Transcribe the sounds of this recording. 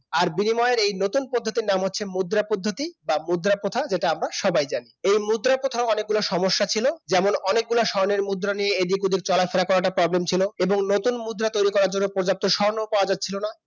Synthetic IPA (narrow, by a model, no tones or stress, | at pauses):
aɾbinimɔeeɾejnot̪unpod̪ʱːot̪iɾnamɦotːʰemud̪ɾapod̪ʱːot̪ibamud̪ɾapot̪ʰad͡ʑeʈaamɾaʃɔbajd͡ʑaniejmud̪ɾapot̪ʰaoɔnek̚ɡulaʃɔmoʃːat͡ɕʰilod͡ʑɛmonɔnek̚ɡulaʃɔɾneɾmud̪ːɾanijeed̪ikud̪ik̚t͡ɕɔlafeɾakɔɾaʈapɾɔblemt͡ɕʰiloeboŋnot̪unmud̪ɾat̪ojɾikɔɾaɾd͡ʑonːopoɾd͡ʑap̚t̪oʃɔnoupaad͡ʑad͡ʑ̚t͡ɕʰilona